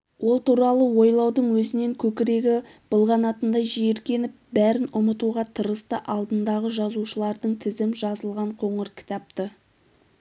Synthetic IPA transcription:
wo̞lˠt̪uɾɑlˠəwo̞jlˠɑwd̪əɴwɵzɪne̞ŋkʲʰɵkʲɪɾe̞ɡʲɪb̥əlˠʁɑnɑt̪ənd̪ɑjʒijeɾkʲe̞nɪp̚bæɾɪnʊmət̪uʁɑt̪ʰəɾəst̪əʔɑlˠd̪ənd̪ɑʁəʒɑzuʃəlˠɑɾd̪əɴt̪ʰɪzɪmʒɑzəlˠʁɑɴqʰo̞ɴəɾkʲʰɪ̥t̪ɑp̚t̪ə

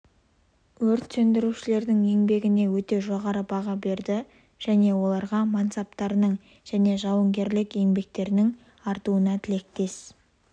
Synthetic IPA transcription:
wɵɾt̪sɵnd̪ɪɾuʃɪle̞ɾd̪ɪŋe̞ŋbe̞ɡʲɪne̞wɵt̪e̞ʒo̞ʁɑɾəbɑʁɑbe̞ɾd̪ɪ | ʒ̥æne̞wo̞lˠɑɾʁɑmɑnt̪sɑp̚t̪ɑɾənəɴ | ʒ̥æne̞ʒɑwəŋɡʲe̞ɾlɪke̞ŋbe̞k̚t̪e̞ɾnɪŋ | ɑɾt̪uənɑt̪ʰɪle̞k̚t̪e̞s

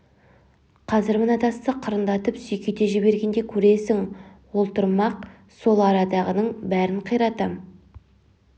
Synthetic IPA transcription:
qʰɑzɪɾmənɑt̪ɑst̪əqʰəɾənd̪ɑt̪əpsʏjkʲet̪eʒɪβe̞ɾɡʲe̞nd̪ekʲʰɵɾe̞sɪŋwo̞lˠt̪əɾmɑq̚ | so̞lˠɑɾɑd̪ɑʁənəɴbæɾɪɴqʰəjɾɑt̪ɑm

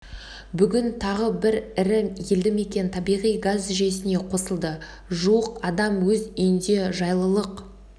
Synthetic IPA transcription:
bʏɡʲɪnt̪ʰɑʁəbɪɾɪɾɪjeld̪ɪme̞kʲe̞nt̪ʰɑbijʁijɡazʏʒe̞s̬ɪne̞qʰo̞səlˠd̪ə | ʒuwəqɑd̪ɑmwɵzʏjɪnd̪e̞ʒɑjlˠəlˠəq

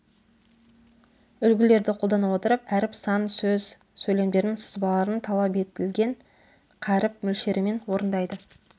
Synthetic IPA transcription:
ʏlɡʲɪle̞ɾd̪ɪqʰo̞lˠd̪ɑnɑpwo̞t̪əɾəpæɾɪpsɑnsɵz | sɵjle̞md̪e̞ɾnɪŋsə̥zbɑlˠɑɾənt̪ʰɑlˠɑpe̞t̪ɪlɡʲe̞ɴ | qʰæɾɪp̚mʏlʃe̞ɾɪme̞nwo̞ɾənd̪ɑjd̪ə

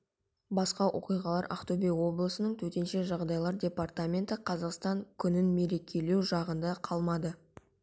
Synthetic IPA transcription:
bɑsqɑwʔo̞̰qijʁɑlˠɑɾa̰qt̪obʲewo̞blˠəsənəɴt̪ʰɵt̪e̞nʃe̞ʒɑʁd̪ɑjlˠɑɾdʲe̞part̪amʲe̞nt̪əqʰɑzɑqst̪ɑŋkʲʰʏnɪnme̞ɾe̞kʲe̞le̞wʒɑʁənd̪ɑqʰɑlˠmɑd̪ə

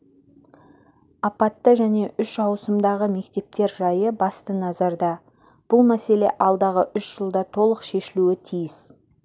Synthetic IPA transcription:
ɑpɑt̪ːəʒæne̞ʔʏʃɑwsəmd̪ɑʁəme̞kt̪e̞p̚t̪e̞ɾʒɑjəbɑst̪ənɑzɑɾd̪ɑ | b̥ʊlˠmæse̞le̞̰ʔɑlˠd̪ɑʁəʔʏʃʒ̥əlˠd̪ɑt̪ʰo̞lˠəqʃe̞ʃɪluɪt̪ʰijɪs

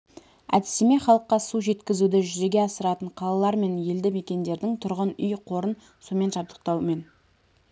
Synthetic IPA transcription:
æ̰d̪ɪseme̞χɑlˠəqːɑsuʒe̞t̪kʲɪzud̪ɪʒʏze̞ɡʲe̞ɑsəɾɑt̪əɴqʰɑlˠɑlˠɑɾme̞nje̞ld̪ɪme̞kʲe̞nd̪e̞ɾd̪ɪŋt̪ʰʊɾʁənʏjqʰo̞ɾən | so̞me̞nʒɑp̚t̪ə̥q̚t̪ɑwme̞n

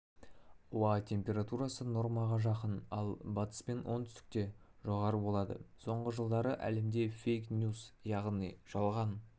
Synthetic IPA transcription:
uɑt̪ʲʰe̞mpʲe̞ɾat̪uɾɑsəno̞ɾmɑʁɑʒɑqənɑlˠbɑt̪ə̥spe̞nwʔo̞nt̪ʰʏst̪ɪ̥k̚t̪e̞ʒo̞ʁɑɾəbo̞lˠɑd̪ə̰so̞ɴʁəʒəlˠd̪ɑɾəʔæ̰le̞md̪e̞fʲejknʲjuzjɑʁnijʒɑlˠʁɑn

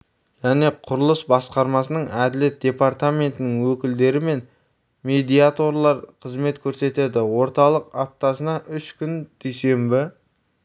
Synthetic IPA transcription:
ʒæne̞qʰʊɾəlˠəsbɑsqɑɾmɑsənəɴæd̪ɪle̞t̪̚d̥̪ʲe̞paɾt̪ame̞nt̪ɪnɪŋwɵkʲɪld̪e̞ɾɪme̞n | me̞d̪ʲijat̪o̞rlˠɑɾqʰəzme̞t̪kʲʰɵɾse̞t̪e̞d̪ɪwo̞ɾt̪ɑlˠəqɑt̪ːɑsənɑʔʏʃkʲʏnd̪̥ijse̞mbɪ

